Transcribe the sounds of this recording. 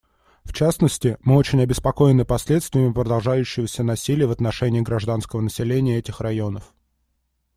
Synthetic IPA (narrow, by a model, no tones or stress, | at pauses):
ft͡ɕasnəsʲtʲɪmɨo̞t͡ɕɪnʲɐbʲɪspɐko̞jɪnɨpɐsʲlʲe̞t̪st̪vʲɪjɪmʲɪpɾəd̪ɐlˠʐajʉɕːɪvəsʲənɐsʲilʲɪjəvət̪nɐʂɛnʲɪːɡɾɐʐd̪anskəvənəsʲɪlʲenʲɪjəɛtʲɪxrɐjo̞nəf